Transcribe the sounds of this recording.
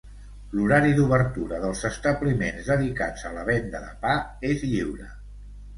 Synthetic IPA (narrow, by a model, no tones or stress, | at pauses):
luɾaɾiðuβəɾt̪uɾəðəlˠzəst̪əβlimenzðəðika̰d͡zələβɛnd̪əðə̰paezʎiwɾə